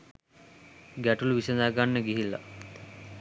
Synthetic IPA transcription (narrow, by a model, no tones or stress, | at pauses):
ɡæʈuluʋisənaɡanːəɡiɦilːa̰